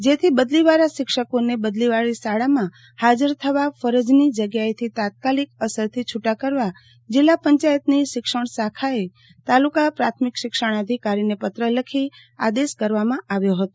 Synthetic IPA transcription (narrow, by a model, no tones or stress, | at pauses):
d͡ʒet̪ʰibəd̪liʋaɾaʃɪkʃəkonebəd̪liʋaɭisaɽamã | had͡ʒəɾt̪ʰəʋafəɾəd͡ʒnid͡ʒəɡjaet̪ʰit̪at̪̚kalikəsəɾt̪ʰit͡ʃʰuʈakəɾʋa | d͡ʒɪlːapəɲt͡ʃajət̪niʃɪkʃəɳ̃sakʰae | t̪alukapɾat̪ʰmikʃɪkʃəɳ̃əd̪ʱikaɾinepət̪ɾələkʰi | a̰d̪eskəɾʋamãaʋjoɦət̪o